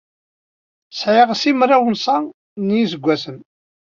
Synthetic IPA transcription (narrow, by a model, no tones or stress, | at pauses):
sʕiʁsimrˤawənsæ | njisəɡʷːæsən